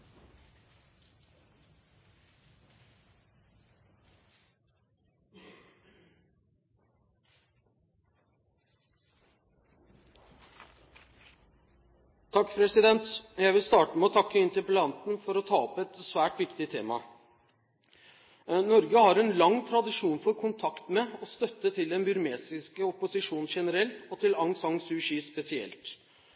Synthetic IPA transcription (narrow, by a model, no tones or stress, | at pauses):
t̪ʰɑkːpʰɾɛsɪd̪ɛnt̪jæɪʋɪlst̪ɑːʈəmɛɔt̪ʰɑkːəɪnt̪əpəlɑnt̪n̩fɔɾɔt̪ʰɑːɔpɛt̪sʋæːʈʋɪkt̪ɪt̪ʰeːmɑ̰ | nɔɾɡəhɑɾɛnlɑŋt̪ʰɾɑd̪ɪʂuːnfɔɾkʰʊnt̪ʰɑkt̪mɛɔst̪œt̪ːət̪ʰɪld̪ɛnbʏɾmeːsɪskəʊpʊsɪʂuːnʃɛnəɾɛlt̪ɔt̪ʰɪlɑŋsɑŋsʉːʂiːspɛsɪɛ̰lt̪